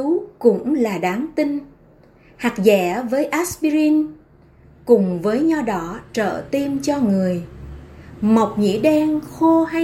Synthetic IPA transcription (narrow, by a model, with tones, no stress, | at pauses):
kʊ̰˧˥ŋ͡mlaː˨˩ɗaː˨˦ŋt̪i˧ŋ̟ | ha˨˩k̚zɛ̰˧˩vəː˨˦jʔa˦˥spi˧ɾi˧n | kʊ˨˩ŋ͡mvəː˨˦jɲɔ˧ɗɔ˨˦t͡ɕə̰ː˧˨t̪i˧mt͡ɕɔ˧ŋɨ˨˩əj | mə˨˩wk͡p̚ŋḭ˧˥ɗɛ˧nxo˧ɦa˧